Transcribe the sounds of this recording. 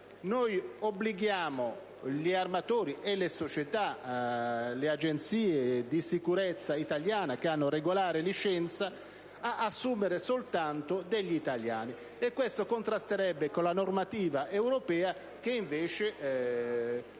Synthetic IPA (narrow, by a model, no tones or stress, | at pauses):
nojobliɡjaːmo | liarmat̪oːɾiʔelesot͡ʃɛt̪a | lead͡ʒent̪siːed̪isikuɾɛt̪sːait̪aljaːnak̟eanːʊreɡolaːɾɪlit͡ʃɛnt̪saː | ʔːsːuːmeɾesolt̪ant̪od̪eʎːiːt̪alja̰ːni | ɛkːwest̪okont̪ɾast̪eɾɛbːekolanormat̪iːvaʔewɾopɛːa | k̟eiɱveːt͡ʃɪ